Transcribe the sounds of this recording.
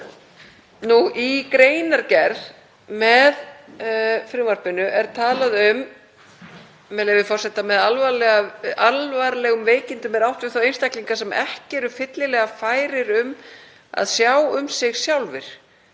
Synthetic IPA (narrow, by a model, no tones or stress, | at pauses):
nuʔikɾeːjnaɾcɛɾð | mɛð | fɾɪmar̥pɪnʏʔɛɾ̥t̪ʰaːlaðʏm | mɛlɛvɪfɔr̥sɛt̪amɛðalvaɾlɛɣaalvaɾlɛɣʏmveːjcɪnt̪ʏmɛɾawht̪vɪθawejnst̪ahkliŋkasɛmɛ̰hcɪɛɾʏfɪt̪lɪlɛɣafaːjɾɪɾʏm | a̰ðsjaːwʏmsɪɣsjawlvɪɾ̥